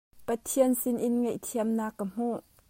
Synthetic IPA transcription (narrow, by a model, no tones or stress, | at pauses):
pɐt̪ʰiənsɪnʔɪnŋɛjʔt̪ʰiəmnaːkːəm̥uʔ